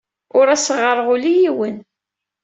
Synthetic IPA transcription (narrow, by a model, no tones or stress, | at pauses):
ʊɾæsʁəɾˤʁʊlijiwən